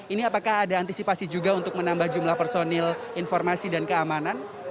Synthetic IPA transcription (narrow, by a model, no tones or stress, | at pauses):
iniapakahadaːnt̪isipasid͡ʒuɡaunt̪ʊk̚mənambahd͡ʒumlahpɛrsonɛl | infɔrmasidankəamanan